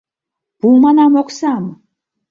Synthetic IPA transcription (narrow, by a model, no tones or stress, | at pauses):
b̥umanamɔkʰsam